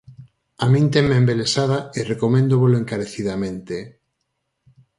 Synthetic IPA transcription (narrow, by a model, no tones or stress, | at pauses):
amĩnt̪emːembelesaðaerekomẽnd̪oβoloeŋkaɾeθiðamẽnt̪e